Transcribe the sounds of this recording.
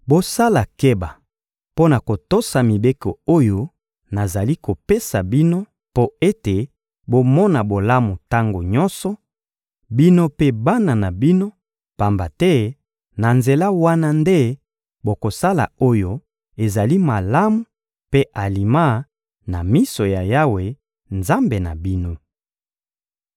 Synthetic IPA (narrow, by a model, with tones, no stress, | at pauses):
bo˦sa˦la˨ke˦ba˨ | po˦na˨ko˨to˦sa˨mi˨be˦ko˨o˦jo˦ | na˨za˨li˦ko˨pe˦sa˨bi˦no˦ | po˦e˦te˨ | bo˦mɔ˦na˨bo˨la˦mu˨ta˦ŋɡo˨ɲɔ̃˦nsɔ˨ | bi˦no˦pe˦ba˦na˨na˨bi˦no˦ | pa˨mba˨tɛ˦ | na˨nze˨la˦wa˦na˦nde˦ | bo˨ko˨sa˦la̰˨o˦jo˦ | e˨za˨li˦ma˨la˦mu˨ | pe˦ʔa˨li˨ma˦ | na˨mi˦so˨ja˨ja˦we˨ | nza˦mbe˨na̰˨bi˦no˦